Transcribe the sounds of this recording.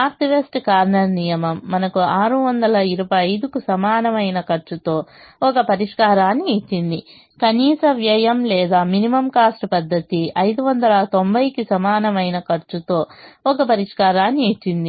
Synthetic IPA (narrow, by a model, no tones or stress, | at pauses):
aːɾt̪iʋesʈkaːɾɳɐɾnijɐmɐmːɐnɐkuaːɾuʋɐnd̪ɐlɐiɾubɐjɐjd̪ukusɐmaːnɐmɐjnɐkɐɾt͡ʃut̪o̞ːɔkɐpɐɾiʂkaːɾaːnːiit͡ʃːind̪i | kɐniːsɐʋjɐjɐmlɛːd̪aːminimɐmkaːsʈɐpɐd̪ːɐt̪iɐjd̪uʋɐnd̪ɐlɐt̪ombʱɐjkisɐmaːnɐmɐjnɐkɐɾt͡ʃut̪o̞ːɔkɐpɐɾiʂkaːɾaːnːiit͡ʃːind̪i